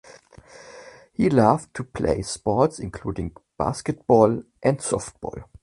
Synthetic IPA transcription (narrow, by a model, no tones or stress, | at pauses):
hilaftʰupʰlḛɪspɔtsɪ̃nkʰl̥uːdɪ̃ŋb̥a̰skɨt̚b̥ɔlʔɛ̃ndsɔft̚b̥ɔ̰l